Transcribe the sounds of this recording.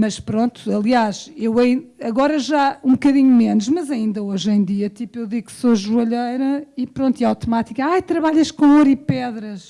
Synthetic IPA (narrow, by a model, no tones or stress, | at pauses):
mɐʃpɾõnt̪u̥ɐlˠiaʃewɐ̃ɐɣɔɾɐʒaũbkɐðiɲumenuʃmɐzɐĩnd̪ɐoʒẽj̪̃d̪iɐt̪ipuewðiɣksoʒuɐʎɐjɾɐipɾõnt̪iawt̪umat̪ikɐajt̪ɾɐβaʎɐʃkõoɾipɛðɾɐʃ